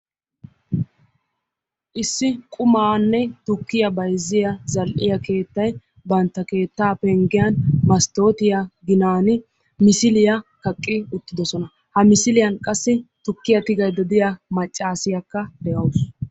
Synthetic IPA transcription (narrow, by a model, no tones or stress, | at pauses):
ʔɪsːɪkʼʊmaːnːɛt̪ʊkːɪjɐbɐjzːɪjɐzɐlʔɪjɐke̞ːt̪ːɐj | bɐnt̪ːɐke̞ːt̪ːaːpɛŋɡɪjɐnmɐst̪o̞ːt̪ɪjaɡɪnaːnɪ | mɪsɪlɪjɐkɐkʼːɪʊt̪ːɪd̪ɔsɔnɐ | hɐmɪsɪlɪjɐnkʼɐsːɪt̪ʊkːɪjɐt̪ɪɡɐjd̪ɔd̪ɪjamɐt͡ʃʼːaːsɪjɐkːɐd̪ɛʔɐws